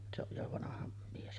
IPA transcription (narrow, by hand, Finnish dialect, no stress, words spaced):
se oj jo ʋɑnɑhɑ mies